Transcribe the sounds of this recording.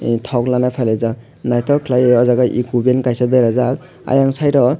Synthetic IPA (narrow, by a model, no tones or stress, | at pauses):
tʰawklanapʰajlazak̚ | najtʰɔkʰlajeɔzaɡaʔikubenkajsabeɾazak̚ | a̰jaŋsajɾɔ